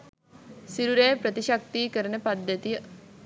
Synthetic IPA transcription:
siɾuɾeːpɾət̪iʃak̚t̪iːkəɾənəpad̪ːət̪ijə

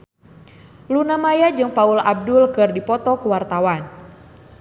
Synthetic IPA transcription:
lunamajad͡ʒɨŋpaulab̚dʊlkɨrdipɔt̪ɔkuwart̪awan

